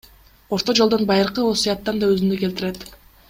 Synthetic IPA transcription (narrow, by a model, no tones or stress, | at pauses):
o̞ɾt̪o̞d͡ʒolˠd̪o̞nbɑjɯɾqɯo̞sujɑt̪ːɑnd̪ɑøzynd̪ykelt̪iɾe̞t̪